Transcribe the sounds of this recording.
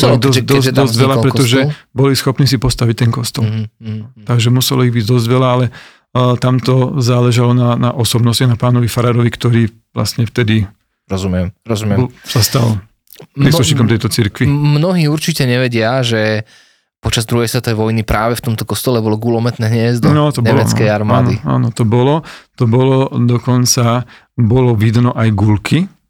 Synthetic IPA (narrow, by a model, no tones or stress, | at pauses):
ɔlɔd̪ɔsd̪sd̪ɔzɟʋɛlapɾɛɔʒɛbɔlisxɔpniːsipɔst̪aʋic̚t̪ɛnkɔst̪ɔl | t̪aɡʒɛmusɛlɔiɣbiɟd̪ɔzɟʋɛlaalɛ | t̪amt̪ɔzaːlɛʒalɔnanaʔɔsɔbnɔscaɣnapaːnɔʋifaɾaːɾɔʋikt̪ɔɾiː | ʋla̰sɲɛft̪ɛd̪i | ɾɔzumɪɛmɾɔzumɪɛmsast̪al | pɾiːsluʃɲiːkɔmt̪ɛjt̪ɔt͡siɾkʋimnɔɦiːuɾt͡ʃicɛɲɛʋɛɟɪaʒɛ | pɔt͡ʃazd̪ɾuɦɛjsʋɛt̪ɔʋɛʋɔjnipɾʔaːʋɛft̪ɔmt̪ɔkɔst̪ɔlɛbɔlɔɡulɔmɛt̪nɛːɦɲɛzd̪nɔt̪ɔbɲɛlmɛskɛjaɾmaːnd̪ia̰ːnɔt̪ɔbɔlɔt̪ɔbɔlɔd̪ɔkɔnt͡sa | bɔlɔʋid̪nɔʔajɡulkʰi